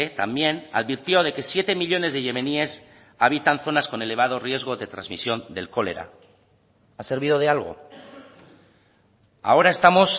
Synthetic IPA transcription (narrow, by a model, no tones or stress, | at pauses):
et̪ambje̞na̰ðβiɾt̪jo̞ð̞e̞ke̞sje̞t̪e̞miʎo̞ne̞zðeʝe̞me̞nie̞s | aβ̞it̪anθo̞nasko̞ne̞le̞β̞að̞o̞rje̞zɣ̞o̞ðe̞t̪ɾa̰zmḭsjo̞nd̪e̞̰lko̞le̞̰ɾa̰ | ase̞ɾβiðo̞ðealɣo̞̰ | a̰o̞ɾae̞st̪amo̞s